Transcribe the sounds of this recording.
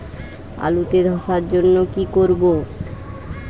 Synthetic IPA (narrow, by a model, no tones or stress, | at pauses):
a̰lut̪ed̪ʱɔʃaɾd͡ʑonːokikoɾbo